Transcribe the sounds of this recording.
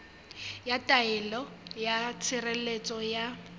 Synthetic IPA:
jatʼaɛɪlɔ | jat͡sʰɪrelet͡sʼɔja

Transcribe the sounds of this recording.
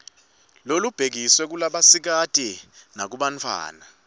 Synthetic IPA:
lolub̥ʱek̬iswɛk̬ulaɓasik̬atʼinak̬uɓant͡fʰwa̰ːna

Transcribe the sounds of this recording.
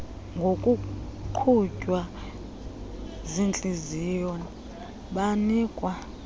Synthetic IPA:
ŋɡʱokʼuǃʰucʼwa | zint͡ɬʼizijɔn | ɓaniːkʼwa

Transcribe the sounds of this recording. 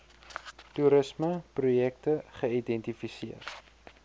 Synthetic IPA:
tuɾəsməprujɛk̚təχəidɛntifisiər

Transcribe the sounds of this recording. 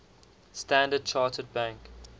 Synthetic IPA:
stæ̃ndəd̚t͡ʃʰɑːtʰəd̚bæ̃ŋk

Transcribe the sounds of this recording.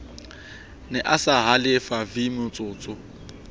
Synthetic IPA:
nɛʔasaɦalɪfavimʊt͡sʼʊːt͡sʼʊ

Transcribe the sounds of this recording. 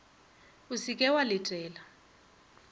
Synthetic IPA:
usikʼɛwalɪtʼɛːla

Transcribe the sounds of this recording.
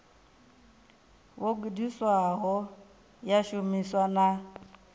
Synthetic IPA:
woɡidiswaɦɔ | jaʃomiswana

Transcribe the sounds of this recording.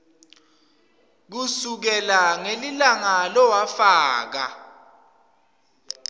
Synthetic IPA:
k̬usuk̬ɛlaŋelilaŋalɔwafaːk̬a̰

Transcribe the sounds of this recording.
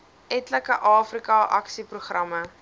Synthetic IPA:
ɛtləkəʔɑːfrikɑʔɐ̰ksipruχrɐmə

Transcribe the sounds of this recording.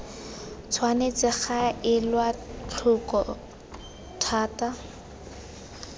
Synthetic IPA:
t͡sʰwanet͡sɪχaɪlwat͡ɬʰʊkɔ | tʰaːta

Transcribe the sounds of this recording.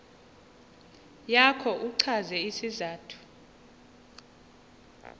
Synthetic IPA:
jakʰɔʔuǀʰazɛisizaːtʰu̥

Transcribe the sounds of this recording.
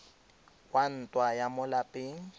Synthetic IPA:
kʼwan̩tʼwajamʊlapʼeːŋ̩

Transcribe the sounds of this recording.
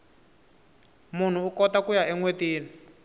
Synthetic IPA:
mun̤uukɔtakujaɛŋwetiːni

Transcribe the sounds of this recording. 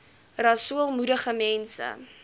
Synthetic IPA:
rɐsuəlˠmudəχəmɛnsə̰

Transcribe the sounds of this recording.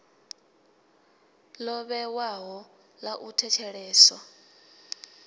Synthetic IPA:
lɔβɛwaɦɔ | laʔutʰɛt͡ʃʰɛɺɛːsɔ

